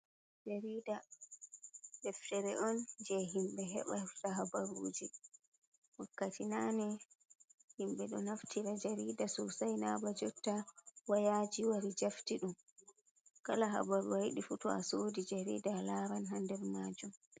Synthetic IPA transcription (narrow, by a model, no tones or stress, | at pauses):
d͡ʒaɾida | ɗɛftɛɾɛʔɔnd͡ʒɛɦimɓɛɦɛ̰ɓataɦabaɾṵːd͡ʒi | wɔkːatinanɛ | himɓɛɗɔnaftʰiɾad͡ʒaɾiːdasɔsajnabad͡ʒɔtːawajad͡ʒiwaɾid͡ʒaftiɗum | kalaɦa̰baɾuajɗifutɔasodid͡ʒaɾḭːdalaɾanɦandɛɾmad͡ʒum